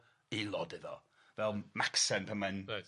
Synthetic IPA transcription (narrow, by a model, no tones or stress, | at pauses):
ilˠɔdɪðɔ̰ | vɛlˠmaksɛnpʰɛman